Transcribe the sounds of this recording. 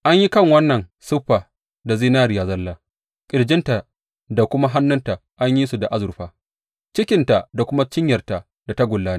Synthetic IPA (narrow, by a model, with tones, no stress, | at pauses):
ʔa˦ɲji˦kɐ˦˨ŋwɐ˦nːɐ˨nsʊ˦ɸːaː˨ | da˨ziː˦naː˦ɾi˨jaː˨zɐ˦lːaː˨ | kʲʼɪ˨ɽd͡ʒɪ˦nta˨ | da˨kʷʊ˦ma˦ɦa˦nːʊ˦nta˨ʔa˦ɲji˦su˨da˨ʔa˦zʊ˨ɾɸaː˦ | t͡ʃɪ˦kʲɪ˨nta˨ʔda˨kʷʊ˦ma˦t͡ʃɪ˦ɲjɐ˨rta˨ | da˨ta˦ɡʷʊ˨lːaː˦ni˦